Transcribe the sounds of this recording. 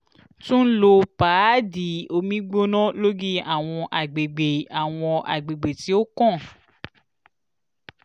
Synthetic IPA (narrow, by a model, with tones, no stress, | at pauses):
tũ˦n̩˦lo˧paː˨˦di˨o˧mĩ˦ɡ͡bo˦nɔ̃˦lo˦ɡi˦a˨w̃ɔ̃˧ʔa˨ɡ͡be˨ɡ͡be˨a˨w̃ɔ̃˧ʔa̰˨ɡ͡be˨ɡ͡be˨ti˨˦o˦kɔ̃˦˨